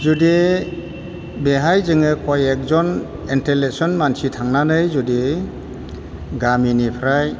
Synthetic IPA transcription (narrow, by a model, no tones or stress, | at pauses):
zude | beɦajzɯŋɯkʰɔjek̚zɔn | intelet̚sɔnmansitʰaŋnanɯjzude | ɡaminipʰɾaj